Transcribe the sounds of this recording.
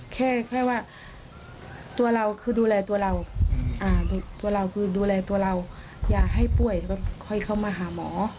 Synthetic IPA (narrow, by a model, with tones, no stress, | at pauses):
kʰɛː˧˩kʰɔ˧˩waː˧˩ | t̪u˧ɐla˧wkʰɯː˧duː˧lɛː˧t̪u˧ɐla˧wʔaː˧du˧t̪u˧ɐla˧wkʰɯː˧˩duː˧lɛː˧t̪u˧ɐla˧w | jaː˨˩k̚ɦa˧˩jpu˧˩əjba˧˩kʰɔ˧˩jkʰa˧˥˩wmaː˧ɦaː˨˦mɔː˩˦